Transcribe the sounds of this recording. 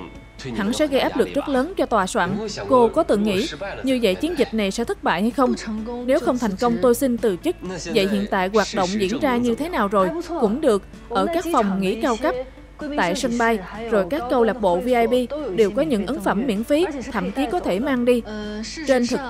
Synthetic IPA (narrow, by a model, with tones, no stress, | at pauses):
ha̰˧˥˩nsɛ̰˧˥ɣə˧jʔaː˦˥p̚lɨ˨˩k̚zə˦˥t̚ləː˨˦nt͡ɕɔ˧t̪waː˨˩swa̰ː˧˨nko˧kɔ˨˦t̪ɨ˧˨˩ŋŋḭ˧˥ɲɨ˧və̰˧˨jt͡ɕi˨˦ənzi˨˩t̟̚na˨˩jsɛ̰˧˥t̪ʰə˦˥t̚ɓa̰ː˧˨jha˧jxə˧wŋ͡mne˨˦wxə˧wŋ͡mt̪ʰa˨˩jŋ̟kə˧wŋ͡mt̪o˧jsi˧nt̪ɨ˨˩t͡ɕɨ˦˥k̚və̰˧˨jɦḭ˧˨ənt̪a̰ː˧˨jɣwaː˨˩t̚ɗo̰˧˨wŋ͡mzḭ˧˥ənzaː˧ɲɨ˧t̪ʰe˨˦naː˨˩wzo˨˩jkʊ̰˧˥ŋ͡mɗɨ˨˩ək̚ | ʔəː˧˩kaː˦˥k̚fɔ˨˩wŋ͡mŋḭ˧˥kaː˧wka˦˥p̚ | t̪a̰ː˧˨jsə˧nɓa˧jzo˨˩jkaː˦˥kːə˧wlaː˨˩p̚ɓo̰˧˨vi˧ʔaː˧jɓi˧ɗe˨˩wkɔ˨˦ɲɨ̰˧˥ŋʔə˨˦ŋfə˧˩mːḭ˧˥ənfi˨˦t̪ʰə̰˧˨mki˨˦kɔ˨˦t̪ʰe˧˩maː˧ŋɗi˧ | t͡ɕe˧nt̪ʰɨ˨˩k̚